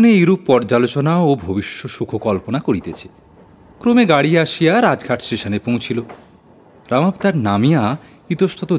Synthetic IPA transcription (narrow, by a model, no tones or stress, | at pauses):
neuɾupːɔɾd͡ʑalot͡ɕonaobʱobiʃːoʃukʰokɔlponakoɾit̪et͡ɕʰe̥ | kɾomeɡaɽiaʃijaɾad͡ʑɡʱaʈʰsʈeʃonepõw̃t͡ɕʰilo | ɾamapt̪aɾnamija | it̪oʃʈʰot̪o